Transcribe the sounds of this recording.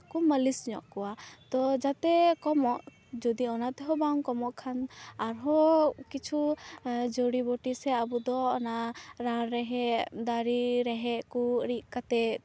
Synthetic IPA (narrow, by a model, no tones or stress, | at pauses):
kɔməlisɲɔ̰ʔkɔwat̪ɔd͡ʒat̪ɛkɔmɔʔ | d͡ʒɔd̪iɔnat̪ɛɦɔbauŋkɔmɔʔkʰanaɾɦɔkit͡ʃʰu | d͡ʒoɽiboʈisɛabud̪ɔɔnaɾaɾɛɦɛd̪aɾiɾɛɦɛʔkuɾiʔkat̪ɛ